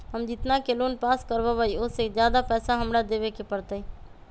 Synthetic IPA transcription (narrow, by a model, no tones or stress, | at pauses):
ɦəmd͡ʒɪt̪nakeloːnpaːskəɾbabəiʊsed͡ʒjaːd̪apɛːsaɦəmɾad̪eːʋekepəɽt̪əi